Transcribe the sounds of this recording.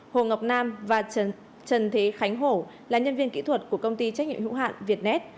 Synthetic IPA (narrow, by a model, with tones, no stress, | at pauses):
ho˨˩ŋə˨˩wk͡p̚naː˧mvaː˨˩ | t͡ɕə˨˩nt̪ʰe˨˦xa˨˦jŋ̟ɦo˧˩ | laː˨˩ɲə˧nvi˧ənkḭ˧˥t̪ʰwə˨˩t̚ku˧˩əkə˧wŋ͡mt̪i˧t͡ɕa˦˥k̚ɲḭ˧˨ə˨mhḭ˧˥ɦa̰ː˧˨nvi˨˩ət̚nɛ˦˥t̚